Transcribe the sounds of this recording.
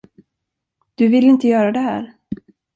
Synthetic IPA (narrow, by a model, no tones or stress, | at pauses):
d̪̥ɵvɪlːɪnt̪əjœːɾad̪ɛɦæ̰ːɾ